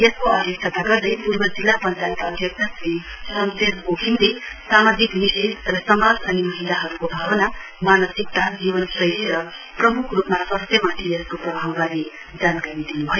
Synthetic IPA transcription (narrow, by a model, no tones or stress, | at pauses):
jeskoʌd̪ʱjeksʌt̪aɡʌrd̪ʌjpurbʌd͡zilːapʌnt͡sajt̪ʌd̪ʱjʌk̚t̪ʰasi | sʌnseɾkokʰind̪esamad͡ziknised̪rʌsʌmad͡zʌnimʌɦilaɦʌɾukobʱawʌna | manʌsik̚t̪ad͡zibʌnsʌjsɾʌ | prʌmukʰrupmasʌst̪jʌmat̪ʰieskoprʌbʱawɡaɾi | d͡zankaɾid̪inubʱʌjo